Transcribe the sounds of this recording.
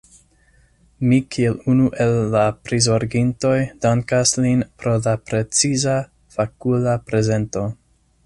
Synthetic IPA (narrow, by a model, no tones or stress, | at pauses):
mikʰielunuʔelːapɾizoɾɡinto̞jd̥aŋkaslinpɾo̞lapɾe̞t͡siza | fakulapɾe̞ze̞nto̞